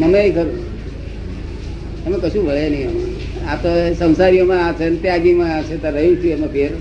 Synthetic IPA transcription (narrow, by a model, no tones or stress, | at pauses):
məmeikəɾũ | t̪əmẽkəʃũʋəɭjanəĩəmṵ̃ | at̪osə̃w̃saɾijomãaʋsent̪eaɡimãat͡ʃʰet̪oɾəɦũt͡ʃʰiemãpʰeɾ